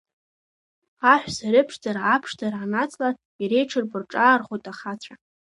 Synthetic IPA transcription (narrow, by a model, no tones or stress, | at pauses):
aħᶣʷsaɾɪpʰʂd͡zaɾaapʰʂtarʕanat͡sʰʼlar | iɾejʈ͡ʂʰɨrbɨrʈ͡ʂʼaːrχʷojtʼaχat͡ɕʷʰa